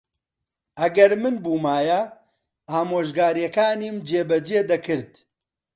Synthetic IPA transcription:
ɐɡɐɾmɨnbuːmaːjɐ | aːmoːʒɡaːɾjɛkaːniːmd͡ʒeːbɐd͡ʒeːd̪ɐkɨɾd̪

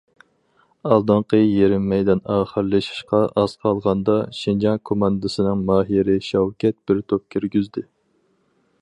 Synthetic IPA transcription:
ɑlˠd̪ɑɴqəjeɾɪmːɛjd̪ɑnɑːχəɾlˠɨʃi̥ʃqɑʔɑz̥qʰɑlˠʁɑnd̪ɑʃind͡ʒɑŋkʰomɑnd̪ɨsɨnɨŋmɑːɦiɾɪʃɑwkʲɛt̪̚b̥ɪɾt̪ʰop̚kʲʰyɾɡʲyzd̪ɪ

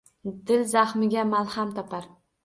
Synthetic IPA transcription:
d̪ɪlzaχmɪɡʲamalˠhamt̪ʰɒpʰaɾ

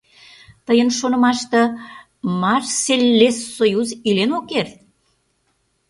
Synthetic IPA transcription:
t̪əjənʃonə̆mɑʃt̪ɤ̆ | mɑrselʲːesːojuzilenokːert̪

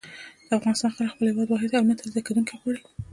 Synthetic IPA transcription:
d̪̥əafɣɑnɪst̪ɑnxaɾaxpəlhɪwɑd̪wɑɦɪd̪awmat̪ʰazd̪aked̪unkeɣwɑɽe

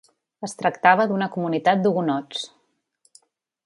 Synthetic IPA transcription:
əst̪ɾəkt̪aβəðunəkumunit̪at̪̚d̪uɣunɔt͡s

